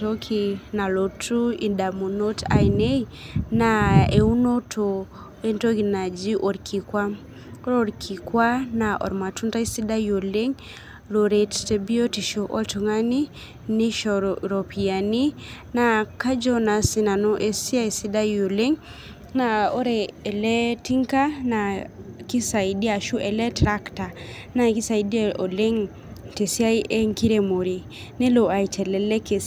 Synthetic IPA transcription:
to˦kʰina˨lo˨tʰu˦i˨nda˨mu˨no˦ta̰˨i˨ne˦inae˨u˦no˦tʰo˨ | e˦nto˦ki˨na˨d͡ʒi˦ʔo˨ɾkʰi˨kwa˦ | ɾo˦ɾkʰi˨kwa˦na˨ʔɔ̰˨ɾma˨tu˦nta˦i˦si˦da˦jo˨le˦ŋ | lo˨ɾe˨tte˨bi˦o˦ti˨ʃo˨ʔɔ˦lto˨ŋa˦ni˦ | ni˦ʃɔɾo˨pi˨a˨ni˦naka˦d͡ʒɔ˦na˨si˨na˨no˦ʔe˨si˦a˦jsi˦da˦jo˨le˦ŋ | na˨o˦ɾɛː˨lɛ˦ti˦ŋka˦na˨ki˦sa˨idi˦a˨ʃu˦ʔɛ˨lɛ˦tɾa˦kta˨ | na˦ki˦sa˨ji˨di˦eo˨le˦ŋ | te˨si˦a˦jʔe˦ŋki˦ɾe˦mo˨ɾi˨ | nɛ˦loa˨i˨tʰɛ˨lɛlɛ˦ke˨s

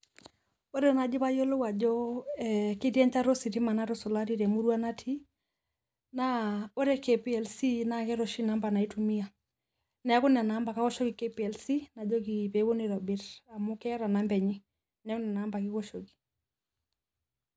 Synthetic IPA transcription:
o˦ɾɛ˦na˨d͡ʒɪ˦βa˦jo˦lo˦wa˨d͡ʒɔ˦ | kɪ˦tjɛ˦ɲt͡ʃa˦ɾo˦si˨ti˦ma˨na˦ɾɔ˦sɔ˨la˦ɾi˦ɾɛ˨mu˦ɾwa˦na˦tʰi˦ | na˦o˦ɾɛ˦ke˨pi˦ɛ˨lsi˦na˨ŋkɛ˦ɾɔ˨ʃi˦na˦mba˨na˨i˦tu˨mi˦a˨ | nɛ˨a˦kʊ˦na˨na˨˦mba˨ka˦kɔ˦ʃo˦ki˨ke˦piɛ˨lsi˦na˨d͡ʒɔ˦ki˨pe˨˦wo˦ni˨ɾɔ˨bɪ˦ɾa˨mʊ˦kɛ˦ɾa˨na˦mbɛ˨ɲi˦ | nɛ˦kʊ˦nɛ˨na˨˦mba˨kɪ˦kɔ˦ʃo˨ki̥˨

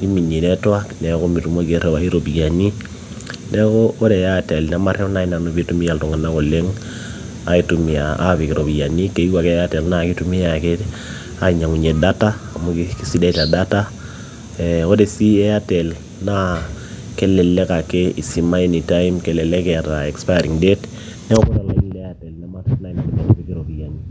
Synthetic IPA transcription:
ki˦mi˨ni˨nɛ˦twa˦knɛ˨ko˦mi˨ɾu˨mo˦ke˨ɾɛ˨wa˨i˦ɾo˨bi˨ja˨ni˦ | nɛ˦ko˦o˦dɛ˨jatɛ˨lna˦ma˦rɛ˦na˦i˦na˨no˨bi˦tu˦mi˦ja˨ltɔ˨ŋa˨na˦ko˨le˦ŋ | a˨i˦tu˨mi˨a˨a̰˦βi˨ki˨ɾo˨bi˨ja˨ni˦ke˨i˦wa˨kɛ˦ja˦tɛ˨lna˦ki˦tu˨mi˦a˨ke˦t | a˨ɲa˨ŋu˨ɲe˨da˦taː˦˨mukiki˦si˦da˦i˨ta˨da˦ta˦ | ɛɔ˦de˨si˦ɛ˦a˦tɛ˨l | na˦ | kɛ˦lɛ˨lɛ˦ka˨ke˦i˨si˨ma˦e˦ni˨ta˦jimkɛ˨lɛ˨lɛ˦kɛ˨ɾa˨ɛ˨kspa˦ɾi˨ŋdɛ˦t | nɛ˦ɔ˦kɔ˦na˨la˦i˦lɛatɛ˨lnama˦rɛna˦ina˨kɔɲa˨nopiki˨ɾo˨bi˨ja˨ni

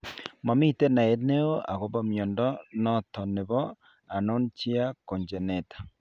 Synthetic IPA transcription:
ma˨mi˦te˦na˨e˨ne˦o˦a̰˨ɣo˨βa˦mjɔ˨ndɔ˦nɔ˦tɔ˨ne˨βɔ˦ | a˨no˦nt͡ʃi˦a˦ko˨ɲd͡ʒe˨ne˨tḁ˨

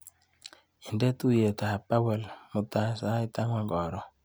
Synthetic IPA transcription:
i˨ndɛ˦t̪u˦je˨t̪a˨pa˦wɛ˨lmo˨t̪a˦sa˨˦i˦t̪a˦ŋwa˦ɡɔ˨ɾɔ˨

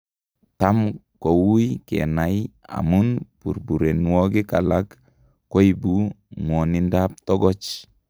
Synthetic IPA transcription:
ta˦mko˨wu˦jkḛna˨ja̰˨mu˦npṵ˨ɾbu˨ɾe˨nwɔ˦ɡi˦ka˨lakː | o˦jibu˦ | ŋɔ˨ni˦ndap̚tɔ˦ɡɔ˦t͡ʃ

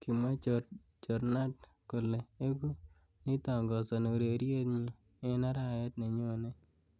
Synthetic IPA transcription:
ki˨ma˦t͡ʃo | t͡ʃɔ˨ɾna˦t | ko˨le˨e˦ɡu˦ | ni˦t̪ɔ˨ŋɡɔ˨sɔ˨ne˨ɾe˨ɾje˦t̪ɲi˦˨ | e˦na˦ɾa˦˨jɛ˦t̪ne˨ɲo˦ne˦

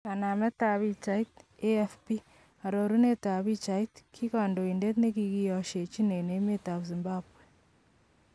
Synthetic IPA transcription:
ka˨na˨me˦ta˨βi˦t͡ʃa˦ite˦fpi˦ | a˨ɾo˨ɾu˦ne˦ta˨βi˦t͡ʃa˦itkʰi˦ka˨ndo˨i˨nde˦tne˦ki˨ɣi˦ɔ˨ʃe˨t͡ʃi˦ne˨ne˨˦me˦ta˨βzi˨mbaβwe˨

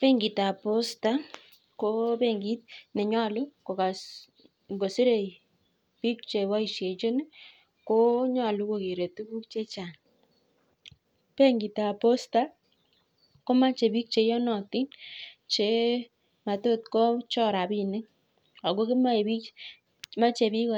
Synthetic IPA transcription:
pe˦ŋɡi˨ta˨po˦sta˦ | ko˦pe˦ŋɡi˦t̚nɛ˨ɲa˦˨lʊ˦ko˨ka˨s | ŋɡo˨si˦ɾe˨ | pi˦k̚t͡ʃe˨wa˦i˨ʃje˨t͡ʃo˦ne˦ | ko˦ɲa˦˨lu˦ko˨ke˨ɾe˨tu˦ku˦k̚t͡ʃe˦t͡ʃa˨n | pe˦ŋɡi˨ta˨po˦sta˦ | ko˦ma˦t͡ʃe˨bi˦k̚t͡ʃe˨jɔ˦nɔ˨ti˦nt͡ʃe˨˦ | ma˨to˦t̚kɔ˦t͡ʃɔ˦ɾa˨pi˨nɪ˦k | a˨ko˦kɪ˦ma˦˨bi˦ | ma˦t͡ʃe˨pi˦k

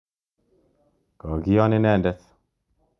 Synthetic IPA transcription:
kɔ˨ɡi˦jɔ˦nɪ˦nɛ˦˨ndɛ˦t

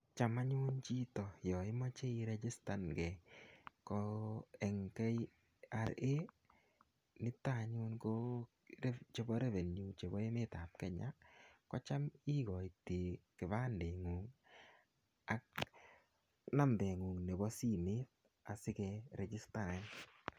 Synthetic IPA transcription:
t͡ʃa˨ma˦ɲʊ˦nt͡ʃi˦tɔ˨jɔ˨ɪ˦mɔ˦t͡ʃe˦iɾɛd͡ʒɪ˦sta˨nɡɛ˨kɔɛ˨ŋkɛ˦j | a˨ɾe˦ | nɪ˦ta˦ɲʊ˦nko˦ | ɛ˦t͡ʃe˦bɔ˦ɾɛ˦vɛ˨nju˨t͡ʃe˨bɔ˦e˦mɪ˦ta˨p̚kɛ˦ɲa˦kɔ˦t͡ʃa˦mi˦ɡɔ˨ɪ˨te˨kɪ˨βa˦nde˨ŋuː˨ŋ | a˦k̚ | na˦mdɛ˨ŋu˨ŋnɛ˨bɔ˦si˦mɪ˦t̚ | a˨sɪ˦kɛɾɛd͡ʒɪ˦sta˨ɾɛ˨n

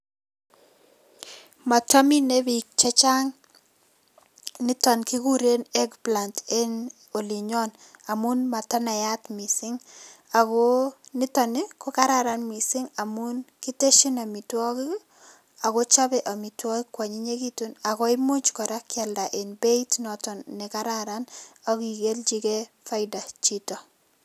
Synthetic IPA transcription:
ma˨ta˦mi˦ne˦bi˨k̚t͡ʃa˦t͡ʃa˦ŋ | nɪ˦tɔ˨nki˦ɡu˦ɾe˦nɛ˦ɡpla˨nte˦n | o˨li˨ɲɔ˦n | a˨mu˦nma˨tɔ˦na˨ja˦tmi˨sɪ˦ŋa˨ɡo˦nɪ˦tɔ˨nɪ˦kɔ˦ka˦ɾa˦ɾa˨nmi˨sɪ˦ŋa˨mu˦nkɪ˦te˦ʃi˦na˨mi˨twɔ˦ki˦ | a˨ɡo˦t͡ʃa˦bɛ˨ʔa˨mi˨twɔ˦kɪ˦kwa˨ɲi˦ɲe˦ki˦tu˦na˨kɔ˦ɪ˦mʊ˦t͡ʃkɔ˨ɾa˦kɪa˨lda˨ʔɪ˨nbe˦i˦tnɔtɔ˨nːɪ˨ka˦ɾaɾana˦ɡi˨ɡe˦ld͡ʒi˦ɡe˦ | fa˦ɪda˨t͡ʃi˦tɔ˨

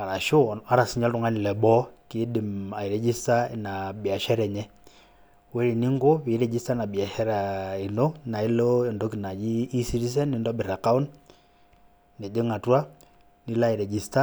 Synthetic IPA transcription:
a˨ɾa˨ʃo˦a˦ɾa˨si˦ɲa˦lto˨ŋa˦ni˨lɛ˨bɔ˦ke˦di˨ma˨i˨ɾɛ˨d͡ʒi˦sta˦na˨bja˨ʃɛ˦ɾɛ˨ɲɛ˦ | wɛ˦ɾi˨ni˦ŋɡo˦βe˨˦ɾɛ˨d͡ʒi˦sta˦na˨bja˨ʃɛ˦ɾae˨no˦na˨i˦lo˦ɛ˨ndo˦ki˨na˨jiː˦si˦ɾi˦s̬ɛ˦ni˦nda˦bi˨ɾa˨ka˦u˦n | e˨de˦ŋa˨twa˦ | ni˦la˦i˨ɾɛ˨d͡ʒi˦sta˦

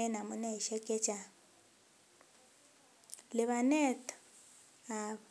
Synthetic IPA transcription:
ɛ˦na˨mʊ˦nɛ˦˨ʃɛ˦kʼɛ˦t͡ʃʼa˨ | lɪ˨βa˨nɛ˦tʼɔ̥ | a˨

